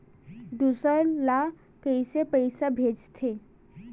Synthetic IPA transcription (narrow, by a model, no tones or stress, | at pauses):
ɖusəɾla | kəɪsepəɪsabʱeːd͡ʒt̪ʰe